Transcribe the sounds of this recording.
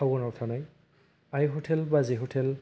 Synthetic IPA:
awɡɔnatʰanaj | ajɦotʰɛlbaziɦotʰɛl

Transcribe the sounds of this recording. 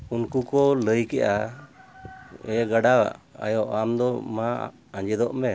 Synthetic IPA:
unkukɔləjkɛʔa | ɛɡaɖawa̰ʔa̰jɔʔamd̪ɔma̰ | aɲd͡ʒɛd̪ɔʔmɛ

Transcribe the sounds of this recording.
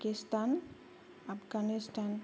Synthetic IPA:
kistan | apɡanistan

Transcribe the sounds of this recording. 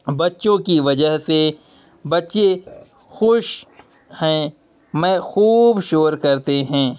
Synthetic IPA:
bɐtːʃõkiʋɐd͡ʒəɦse | bɐtːʃe | xʊʃ | hɛ̃ː | mɛ̃ːxuːbʃoːɾkɐɾt̪eɦɛ̃ː

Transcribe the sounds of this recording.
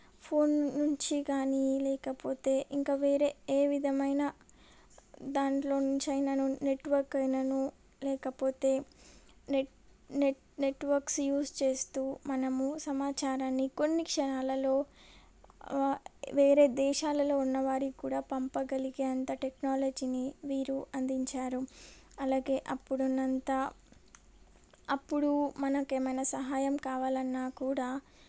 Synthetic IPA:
pʰoːnːuɲt͡ʃiɡaːnilɛːkɐpo̞ːt̪e̞ːʔiŋkaːʋe̞ːɾe̞ːeːʋid̪ʱɐmɐjnɐ | d̪aːɳʈlo̞ːnuɲt͡ʃɐjnɐnune̞ʈʋɐɾkɐjnɐnu | lɛːkɐpo̞ːt̪e̞ː | ne | neʈʋɐɾksjuːst͡ʃe̞ːst̪uːmɐnɐmusɐmaːt͡ʃaːɾaːnːiko̞nːikʂɐnaːlɐlo̞ː | ʋeːɾe̞ːd̪ɛːʃaːlɐlo̞ːunːɐʋaːɾikuːɽaːpɐmpɐɡɐliɡeɐnt̪ɐʈeknaːlɐd͡ʒiniʋiːɾuʔɐnd̪iɲt͡ʃaːɾuɐlaːɡe̞ːʔɐpːuɽunːɐnt̪aː | ɐpːuɽumɐnɐkeːmɐjnɐsɐɦaːjɐmkaːʋaːlɐnːaːkuːɽaː

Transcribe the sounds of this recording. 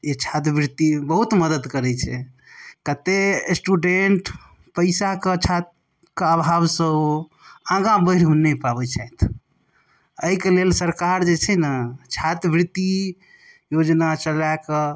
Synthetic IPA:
et͡ʃʰat̪̬bɾit̪ibəɦut̪məd̪əd̪kəɾɛt͡ʃʰɛ | kət̪esʈuɖeɳʈ | pəɪsaket͡ʃʰat̪̚ | keabʱabsə | ãɡãbəɪɾɦunːepabɛt͡ʃʰajt̪ʰ | əikelelsəɾkaɾd͡ʒet͡ʃʰɛnət͡ʃʰat̪bɾit̪i | jod͡ʒnat͡ʃəlake

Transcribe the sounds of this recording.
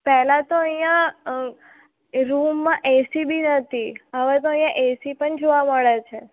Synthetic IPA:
pɛɦlãt̪oəijã | ɾumːãʔesibʱinət̪ʰiəʋet̪oəj̃jãʔesipəɳd͡ʒoʋaməɭet͡ʃʰe

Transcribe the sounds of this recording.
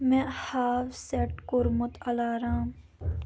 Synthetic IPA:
mɛ̃ːhaːfseʈkʊɾmʊt̪ʰɐlaːɾãːm

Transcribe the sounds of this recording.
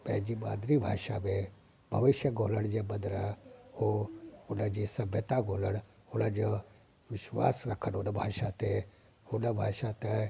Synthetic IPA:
pɛɦd͡ʒimaːd̪ɾibʱa̰ːʃamẽ | bʱɐʋɪʃjəɡʱoːləɽd͡ʒebɐd̪ɾaoʊnad͡ʒisɐbʱjət̪aɡʱoːləɽ | ʊnəd͡ʒ | ʋɪʃwa̰ːsɾɐkʰənonəbʱaːʃat̪e | ʊnəbʱaːʃat̪e

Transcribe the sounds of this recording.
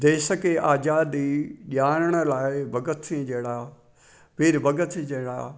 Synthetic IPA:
d̪eːsəkeʔaːd͡ʒaːd̪iʄaːɾəɽ̃ə̆laːɪbɐɡət̪ʰẽd͡ʒeːɽaː | pɪɾbɐɡət̪ʰẽd͡ʒɐːɽa̰ː

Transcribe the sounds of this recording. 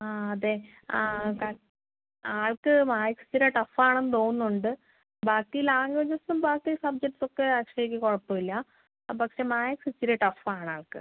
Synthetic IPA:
aːɐd̪e | aːka | aːɭkɨmaːjɐksɨ̥t͡ɕiɾɐʈɐfaːɳenːɨt̪o̞ːɣunːuuɳɖɨ | baːk̚ʈijilaːŋɐd͡ʑɐsnumbaːk̚ʈ̪isɐbd͡ʑek̚ʈːɨso̞kːe̞ɐkʂɐjik̬ʲːikoɻɐpːoːilːɐ | pɐkʂe̞maːjɐksɨt͡ɕːiɾɐʈɐfaːɳaːɭkɨ̰

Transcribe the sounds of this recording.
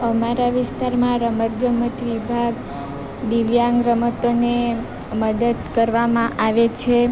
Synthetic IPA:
əmaɾaʋɪst̪aɾmãɾəməɾɡəmət̪ʋibʱaɡ | d̪iʋjaŋɡɾəmət̪one | məd̪əd̪kəɾʋamãʔaʋet͡ʃʰe

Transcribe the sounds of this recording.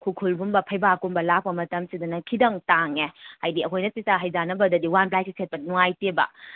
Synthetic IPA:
kʰukʰulbumbɐpʰɐjbakumbɐlak̚pɐmɐtɐmsidunɐkʰidɐŋtaŋehajdiɐkʰojnɐsisaɦɐjzanɐbɐdɐdiwanplajsisʰet̚pɐnuŋajtebɐ̰

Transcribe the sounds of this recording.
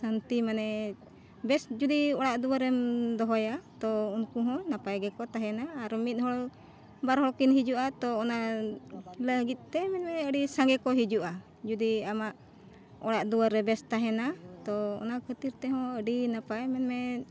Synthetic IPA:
sant̪imanɛ | bɛsd͡ʒud̪iɔɽaʔd̪uaɾɛmd̪ɔɦɔjat̪ɔunkuɦɔ̃napajɡɛkɔt̪aɦɛnaːɾmit̪̚ˀhɔɭ | baɾɦɔɽkinɦid͡ʒuʔat̪ɔːna | ləɡit̪̚ˀt̪ɛmɛnmɛəɖisãŋɡɛkɔɦid͡ʒuʔa | d͡ʒud̪iamaʔ | ɔ̰ɽaʔd̪uwaɾɛbɛst̪aɦɛnat̪ɔɔ̰nakʰət̪iɾt̪ɛɦɔ̃əɖinapajmɛnmɛ

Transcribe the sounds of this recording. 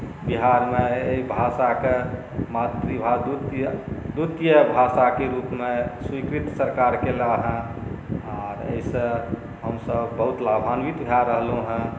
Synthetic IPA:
biɦaɾmẽeibʱasake | mat̪ɾibʱad̪ut̪əd̪ut̪jəbʱasakeɾupmẽswikɾit̪səɾkaɾkelaɦɛ̃ | ɔːɾə̰isə̃ | ɦəmsəbːəɦut̪labʱanʋit̪bʱjaɾəɦlũɦɛ̃

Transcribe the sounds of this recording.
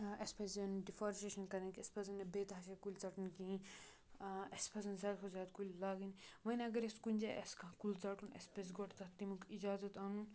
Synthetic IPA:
ɐspʰɐsɐnɖifaːɾʃeʃɐnkɐɾɐnkʲespɐzɐnːɐbeːt̪ɦaʃakulʲt͡saːʈunki | ɐspʰɐzɐnzʲaːd̪kʰozʲaːd̪̚kulʲlaːɡinʋɐnɐɡɐɾeskunʲd͡ʒaːʔɐ̰skãkult͡saːʈunɐ̰spɐs̬ɡoʈt̪ɐt̪imukid͡ʒaːzɐt̪aːnun

